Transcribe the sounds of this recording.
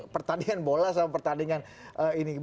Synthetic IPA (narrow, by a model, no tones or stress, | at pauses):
pərt̪andiŋanbolas̬amapərt̪andiŋan | ʔəini